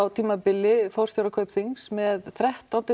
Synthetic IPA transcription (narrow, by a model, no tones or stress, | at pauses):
awt̪ʰiːmapɪlːɪfɔwɾ̥rst̪awɾakʰœːɥpθiŋsmɛðθɾɛht̪ant̪ɪ